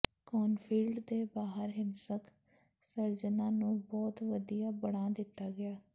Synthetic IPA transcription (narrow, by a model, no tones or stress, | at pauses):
kɔːnpʰiːlɖd̪eːbaːɦəɾɦɪnsək | səɾd͡ʒənãːnũːbɔːt̪ʋəd̪ijaːbəɽ̃ãːd̪ɪt̪ːaːɡɪaː